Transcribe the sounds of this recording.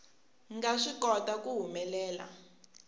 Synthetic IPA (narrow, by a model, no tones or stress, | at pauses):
ŋɡaʂikɔtakuɦumɛlɛːla̰